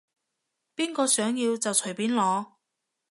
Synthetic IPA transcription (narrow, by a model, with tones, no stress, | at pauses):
piː˥nkɔː˧sœː˨˥ŋjiː˧wt͡sɐ˨wt͡ʃʰɵ˨˩jpiː˨˥nlɔː˨˧